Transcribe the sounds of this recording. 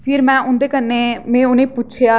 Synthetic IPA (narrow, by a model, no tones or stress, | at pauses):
pʰɪɾmɛ̃ːʔʊ̃nd̪eːkənːeːmɛ̃ːʊnẽːpʊʃʰeaː